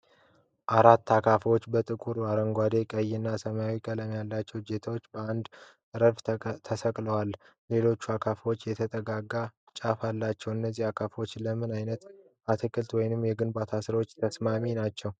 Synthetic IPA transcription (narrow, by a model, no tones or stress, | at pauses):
ʔaɾat̪ːakʰafwo̞t͡ʃːbət̪ʼɨkʼuɾaɾəŋɡʷad̪e̞kʼəjːɪnːasəmjawikʼələmjalːat͡ʃːɛwd͡ʒe̞t̪ʰawot͡ʃːbəand̪ | ɾəft̪ʰəsəkʼləwalle̞lo̞t͡ʃːuakʰafwot͡ʃːjɛt̪ʰət̪ʼəɡaɡːa | t͡ʃʼafalːat͡ʃːɛwɨnːəzːihakʰafwot͡ʃːləmɨnajnət̪ | at̪ʰɨkʰʼɨlt̪wɔjnɨmːjɛɡɨnbat̪ʰasɨɾwo̞t͡ʃːt̪ʰəsmaminat͡ʃːɛw